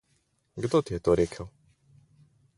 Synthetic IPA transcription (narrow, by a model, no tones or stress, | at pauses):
ɡd̪ot̪jɛt̪oɾeːkʰəw